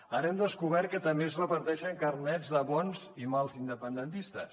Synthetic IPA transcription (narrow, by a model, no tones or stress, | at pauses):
əɾɛmd̪əskuβɛɾ̚kət̪əmbezrəpəɾt̪ɛʃəŋkərnɛd͡zðəβɔnzimalˠzind̪əpənd̪ənt̪ist̪əs